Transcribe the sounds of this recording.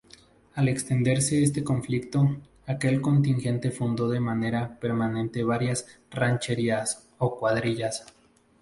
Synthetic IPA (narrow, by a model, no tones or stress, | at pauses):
ale̞kst̪e̞nd̪e̞ɾse̞es̬t̪e̞ko̞ɱflikt̪o̞ | ake̞lko̞nt̪inxe̞nt̪e̞fund̪o̞ðe̞mane̞ɾape̞ɾmanẽ̞nt̪e̞βaɾjas | rant͡ʃe̞ɾias | o̞kwaðɾiʝas